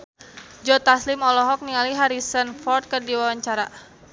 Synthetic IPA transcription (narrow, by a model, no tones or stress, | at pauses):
d͡ʒɔt̪aslɪmɔlɔɦɔk̚niŋaliɦaɾisənfɔrt̪̚kərdiwawaɲt͡ʃaɾa